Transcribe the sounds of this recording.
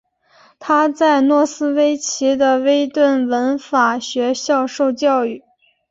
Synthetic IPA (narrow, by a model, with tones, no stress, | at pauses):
t̪ʰa˥t͡sa˥˧ɪnwɔ˥˩sɹ̩˥we˥ɪt͡ɕʰi˧˥d̪ə˧we˥ɪt̪wə˥˩nwə˧˥nfa˨˩ɕɥɛ˧˥ɕjɑ˥˧ʊʂo˥˧ʊt͡ɕjɑ˥˧ʊy˥˩